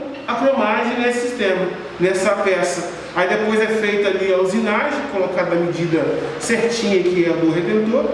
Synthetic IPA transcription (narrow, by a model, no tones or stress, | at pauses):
ɐfɾõmaɾʒẽj̃nesɪ̥sist̪ẽmɐ | nɛsɐpɛsɐ | aid̪epojzɛfejt̪ʊaliawzinaɾzkolokaɾd̪ɐmed͡ʒid̪ɐseɾt͡ʃĩɲɐikɪɛd̪oɦed̪ẽnd̪oɾ